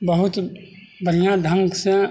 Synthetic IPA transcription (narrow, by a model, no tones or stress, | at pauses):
bəɦʊt̪ | bʱəɾijãɖʱə̃ŋɡsẽ